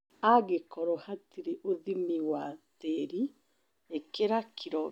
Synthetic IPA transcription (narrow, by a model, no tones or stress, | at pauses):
aɡekɔɾɔhatiɾeʔoðimiwateɾi | ekeɾakʰiɾɔ